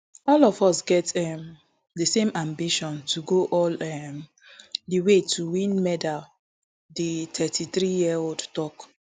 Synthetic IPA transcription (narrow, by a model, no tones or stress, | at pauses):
ɔlɔvɔsɡɛtɛm | dəsẽmãmbiʃɔ̃ntʰuɡoʔɔlɛm | diwetʰuwĩnmɛdal | ditʰɛtʰiθɹijiɛoldtɔk